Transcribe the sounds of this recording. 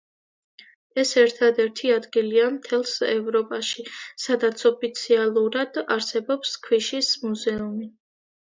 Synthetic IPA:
ɛsɛɾt̪ʰad̪ɛɾt̪ʰiad̪ɡiliamt̪ʰɛlˠsɛ̰vɾɔpʼaʃisad̪at̪sʰɔpʰit̪sʰialˠuɾad̪̥aɾsɛbɔpskʰwiʃismuzɛumi

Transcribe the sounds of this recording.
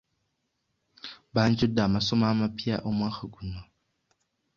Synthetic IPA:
ban̩t͡ʃʊdamasʊmamapʰiaʔomaxaɡuna

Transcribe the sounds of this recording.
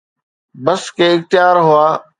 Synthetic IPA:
bəskeːɪŋ̚t̪ɪjaːɾɦʊaː

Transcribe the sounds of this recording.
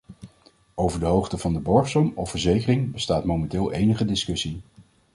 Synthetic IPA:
owvəɹdəɦowχtəvɑndəbɔɹχsɔmɔfəɹzejkərɪŋbəstaːtmowmɛntɪːlˠʔejnəχədɪskɵsi

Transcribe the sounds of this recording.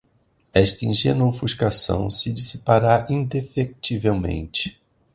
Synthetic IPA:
ɛʃt̪ɐĩʒenofuʃkasɐ̰̃w̃sɪd͡ʒisipaɾaʔĩnd̪efek̚t͡ʃivewmḛ̃nt͡ʃɪ̥

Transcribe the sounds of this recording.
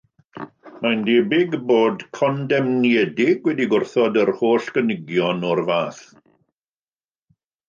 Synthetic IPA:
mandebɪɡboːdkʰɔndɛmnjɛdɪɡwɛdiɡʊrθɔdərhoːɬɡənɪɡjɔnɔrvaːθ

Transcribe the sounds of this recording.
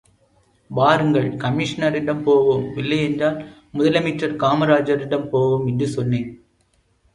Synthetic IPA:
ʋaːɾɯŋɡɐɭkɐmɪʂɐnɐɾɪɽɐmpoːʋɯmɪlːɐjɛndraːl | mʊðɐlɐmiːʈrɐɾkaːmɐɾaːd͡ʒɐɾɪɽɐmpoːʋɯmɪndɯsɔnːeːn

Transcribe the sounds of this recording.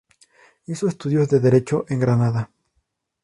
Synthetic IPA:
iso̞est̪uðjo̞zðe̞ðe̞ɾe̞t͡ʃo̞ʔe̞ŋɡɾanaða

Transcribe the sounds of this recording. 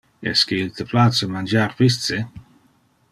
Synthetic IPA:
ɛ̰skeilt̪əplasəmand͡ʒaɾpist̪se

